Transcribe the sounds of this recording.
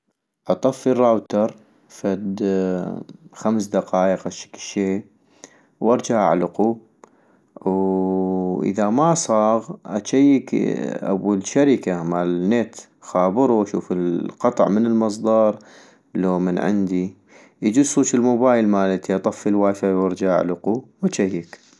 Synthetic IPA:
ʔɑt̪ˤɑfːirˤːawt̪ɑɾˤ | fad̪ | xamsd̪ɑqɑːʔəqaʃḁkːʃeː | wʔɑɾˤd͡ʒaʕʔa̰ʕlʊqu | w | ʔɪ̰ðamasˤɑːɣʔat͡ʃajːɪkʔa̰wːalʃaɾɪkamalnet̪ | xaːbɨɾˤuaʃṵːfɪlqɑt̪ˤʕmənɪlmɨs̬ˤd̪ˤɑːɾˤ | loːmənʕɪ̰nd̪i | ʔd͡ʒusuːt͡ʃɪlmoːbaːjɪlmaːlɪt̪iʔɑt̪ˤɑfːəlwaːfawɑɾˤd͡ʒaʕaʕ̰lʊquwat͡ʃajːɪk

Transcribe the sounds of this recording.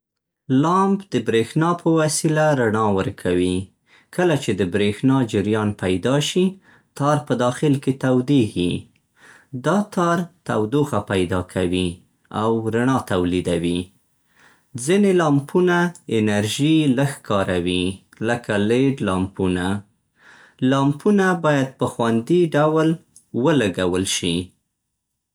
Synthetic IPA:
lɑmbd̪̥əbɾexnɑpəwasilaɾaɳɑwəɾkʰawi | kʰəlat͡ʃed̪əbɾexnɑd͡ʒɪɾjɑnpajd̪ɑʃi | t̪ɑɾpəd̪ɑxɪlket̪awd̪ihi | d̪ɑt̪ʰɑɾt̪awd̪oɣapajd̪ɑkʰawi | a̰wɾaɳɑt̪awlid̪awi | d͡zinelɑmpunaɪnaɾʒiləxkɑɾawi | ləkaleɖlɑmpuna | lɑmpunabɑjad̪̚pəxwand̪iɖawl | wəlaɡawəlʃi

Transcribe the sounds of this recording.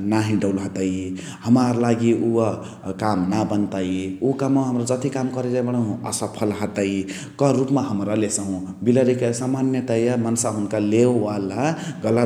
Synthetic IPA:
naɦĩɖʌwlɦʌt̪ʌj | hʌmaɾlaɡiʔuwʌ | kamnabʌnt̪ajukamaɦʌmɾʌd͡zʌt̪ikamkʌɾed͡zajbʌɽ̃ʌɦũʌ̰sʌpʰʌlɦʌt̪ʌj | kʌɾupmaɦʌmɾʌlesʌɦũbilʌɾikasamanjʌt̪ʌjamʌnsaɦunkalewwalaɡʌlə

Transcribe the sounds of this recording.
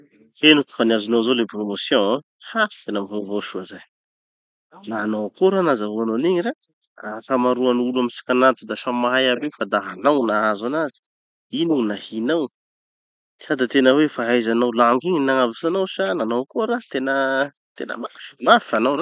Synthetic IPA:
t̪enuk̪u̥faniazinawzolepromosjɔ̃e | hḁt̪enəmivovoʃuazaj | naːnokuɾanazaɦuanoniɲiɾa | afamaɾuanuluamisi̥kʲanat̪id̪aʃamaajabefad̪aɦanawnaazanazi̥ | inunahinaw | sad̪at̪enəwefaɦajzanawlaŋɡiɲinaŋavisanawsananawkuɾat̪enə | t̪ḛnə̰makḁfimafanawɾa

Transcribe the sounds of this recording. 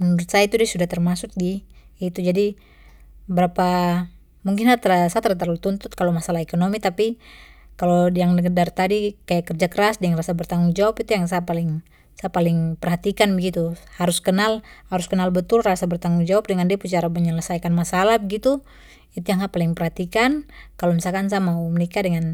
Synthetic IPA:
nuɾut̪sajait̪udiasudaht̪ərmasʊk̚ɡiit̪ud͡ʒadi | bəɾapa | muŋk̬ɪnat̪əɾasat̪əɾat̪̬aɾult̪unt̪ʊt̪̚kalomasalahɛkonomit̪apikalojaŋnəɡədart̪adikajakərd͡ʒakəɾasdəŋnrasabərt̪aŋuŋd͡ʒawapit̪ujaŋs̬apalɪŋ | sapalɪŋpərɦat̪ikanbəɡit̪uhaɾuskənalhaɾuskənalbət̪ʊlrasabərt̪aŋuŋd͡ʒawap̚dəŋandiaput͡ʃaɾaməɲələsajkanmasalahbəɡit̪u | it̪ujaŋɡapalɪŋpərhat̪ikankalomisalkans̬amaumənikadəŋan

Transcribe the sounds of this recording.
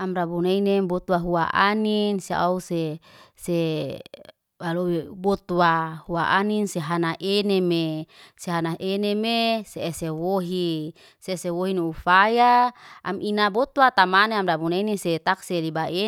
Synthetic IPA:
amrabunainebot̪waɦua̰ʔa̰ninsea̰usese | waloebot̪wahuaʔaninseɦanaʔenemeseɦanaɦʔenemeseesewoɦi | sesewoɦinuufajaamʔinabot̪wat̪amaneamɾabunaineset̪akselibaʔe

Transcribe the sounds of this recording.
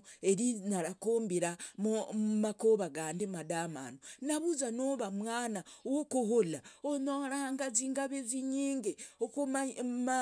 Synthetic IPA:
e̞ɾinaɾakoːmbiɾamumakoβaɡaːndemadama̰nonaβuzano̞βamwaːnaowokoɦolaonoɾahaŋɡaziːŋɡaβeziɲiːŋɡeokomma

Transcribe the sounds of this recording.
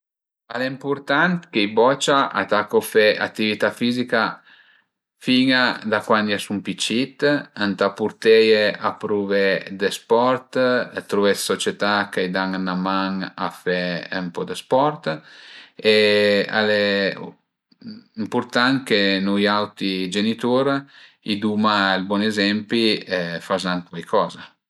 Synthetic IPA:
aleimpuɾt̪ant̪kejbɔt͡ʃaʔa̰t̪akofɛa̰t̪ːivit̪afizika | fiŋad̪akwand̪jasumpit͡ʃit̪ant̪apuɾt̪ɛjeapɾuved̪espɔɾt̪t̪ɾuvɛssot͡ʃet̪akajd̪aŋanamaŋa̰fɛmpɔd̪əspɔrt̪ | ea̰le | impuɾt̪aŋkenujawt̪id͡ʒenit̪uɾ | id̪umalbwɔnezɛmpiɛfazaŋkwajkʰɔːza

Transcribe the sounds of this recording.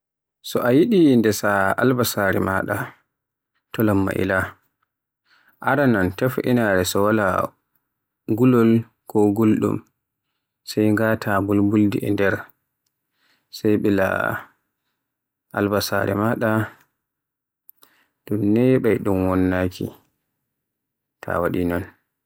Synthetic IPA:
sɔʔajiɗindɛsaa̰lbasaɾɛ̰maɗa | tɔlamːa̰ʔḭla | ʔaɾanantɛfʔḭnaɾɛsɔwala | ɡulɔl | kɔɡolɗṵm | sɛjŋɡatʰabulbuldiʔɛndɛɾ | sajɓɛla̰ | ʔa̰lbasa̰ɾɛmaɗa | dunːɛɓajɗumwɔnːaːkʰḭ | tʰa̰waɗinɔn

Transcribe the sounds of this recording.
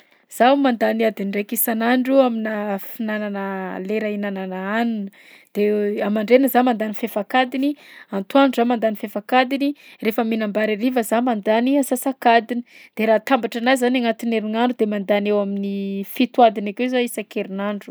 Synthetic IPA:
z̥awmand̪aniad̪inɖ͡ʐejkisanaɳɖ͡ʐuaminafinananəleɾainananaanunə | d̪̥eamaɳɖ͡ʐenəzamand̪anifefakad̪iniant̪uaɳɖ͡ʐuzamand̪anifefakad̪inirefəminambaɾiɾivəzamand̪aniasasakad̪ini̥d̪̥eɾaːt̪ambaʈ͡ʂanazanaŋat̪ineɾiŋaɳɖ͡ʐud̪emand̪anewaminifit̪uwad̪inakezaisakeɾinaɳɖ͡ʐu̥

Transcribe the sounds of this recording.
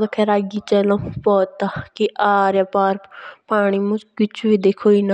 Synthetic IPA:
d̪okʰɛːɾaːɡiːt͡ʃəlãpɔːt̪ːaːkiʔaːɾjaːpaːɾpaːɽ̃iːmʊ̃kɪt͡ʃʰʋiːd̪eːkʰoːina

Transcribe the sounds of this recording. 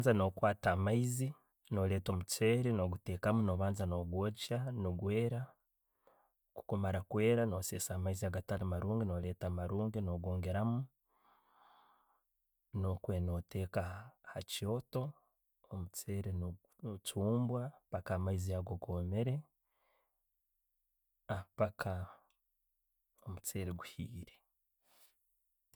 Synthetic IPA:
zano̞kwaːtamaizi | no̞le̞ːtomut͡seːɾeno̞ɡuteːkamuno̞ːβaːnzano̞ɡwot͡ʃanoɡwe̞ːɾa | ku̥komaɾakwe̞ːɾano̞sesamaiziaɡatalamaɾuːŋɡino̞le̞ːtamaɾuːŋɡino̞ɡoːŋɡeɾamu | nokwe̞ːno̞te̞ːkahacio̞to̞ | omut͡seːɾen | t͡ʃuːmbwapakaːmaiziaɡoɡo̞ːmeɾe̞ | apakʰa | omut͡seːɾeɡuhiːɾe

